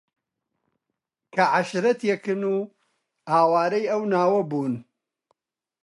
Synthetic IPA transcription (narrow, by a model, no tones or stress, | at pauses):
kɐʕaʃɾɐt̪jɛkɨnuː | haːwaːɾɐjɐwnaːwɐbuːn